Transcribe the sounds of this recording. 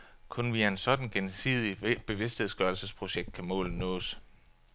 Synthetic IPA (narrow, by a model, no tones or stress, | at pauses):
kʰonʋiæɐensɒ̽d̥n̩ɡ̥ensḭːð̞ˠib̥e̝ʋe̝sd̥he̝ð̞̰ˠsɡ̥ɶɐlsəspʰʁo̝ɕeɡ̥̚d̥̚kʰæmɔ̰̽ːln̩nɔ̰ːs